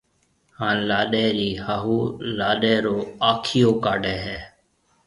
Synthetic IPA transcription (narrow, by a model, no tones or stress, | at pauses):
hãːnlaːɗeːɾiːhaːɦuːlaːɗeːɾoːaːkʰɪjoːkaːɖʱɛːɦɛː